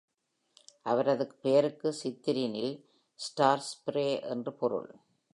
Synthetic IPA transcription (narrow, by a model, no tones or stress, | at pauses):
ʔɐʋɐɾɐðɯkːɯpejɐɾɯkːɯsɪt̪ːɪɾɪnɪl | sʈaːɾspɾeːʔɛ̰ndrɯpɔɾɯ̰ɭ